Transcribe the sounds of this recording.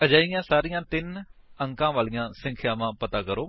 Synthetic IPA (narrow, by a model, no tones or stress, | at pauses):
əd͡ʒaːɪjãːsaːɾijãːt̪ɪnəŋkãːʋaːlijãːsə̃ŋkʰjaːʋãːpət̪ãːkəɾoː